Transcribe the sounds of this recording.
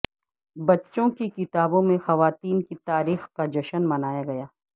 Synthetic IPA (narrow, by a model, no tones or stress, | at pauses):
bɐtːʃõkikɪt̪aːbõmẽxɐʋaːt̪iːnkit̪aːɾiːxkad͡ʒɐʃənmɐnaːjaɡɐjaː